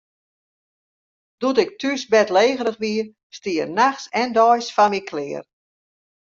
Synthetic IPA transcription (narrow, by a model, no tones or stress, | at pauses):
d̥utɪk̚tʰysbɛtleːɣəɾəxʋiə | stiərnaxsɛndɔjsfamikʰlɪːər